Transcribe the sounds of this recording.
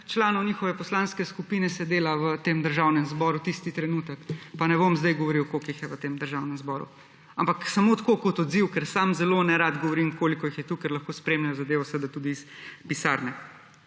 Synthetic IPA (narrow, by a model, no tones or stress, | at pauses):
t͡ʃlaːnɔwnʲixɔʋɛpɔslaːnskɛskupiːnɛsɛd̪eːlaʋət̪eːmd̪əɾʒawnɛmzbɔɾut̪ist̪it̪ɾɛnuːt̪əkpanɛbomzd̪ajɡɔʋɔɾiwkokixjɛʋət̪eːmd̪əɾʒawnɛmzbɔːɾṵ | ampaksamot̪koːkɔt̪ɔd̪ziwkɛɾsaːmzɛlonɛɾad̪ɡɔʋɔɾimkoːlikɔixjɛt̪uːkɛɾlɐxkospɾeːmnɛjɔzɐd̪eːʋasʋəd̪at̪ud̪iːspisaːɾnɛ